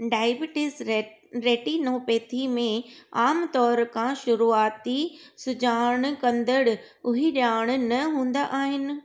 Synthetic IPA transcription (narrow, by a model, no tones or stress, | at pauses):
ɖaːɪbɪʈɪs | ɾeːʈinoːpeːt̪ʰimẽaːmt̪ɔːɾkʰãʃʊɾuːaːt̪i | sʊd͡ʑaːɽ̃kɐ̃nd̪əɽ̆ | ʊɦiɗjaːɽ̃nɐɦũːn̆d̪aʔaːɦɪnɪ̆